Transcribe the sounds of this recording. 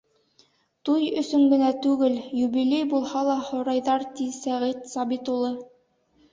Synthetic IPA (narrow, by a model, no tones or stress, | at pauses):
t̪ujɵ̆sɵŋɡɘ̆næt̪ʉɡɘljuβilʲejbulˠhɑlˠɑhŏɾɑjðɑɾt̪isæʁit̪sɑβit̪ulˠɤ